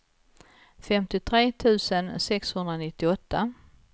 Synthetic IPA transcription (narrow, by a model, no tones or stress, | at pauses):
fɛmt̪ɪt̪ʰɾeːt̪ʰʉ̟ːsənsɛkshɵnd̪ɾanɪt̪ːɪɔt̪ʰːa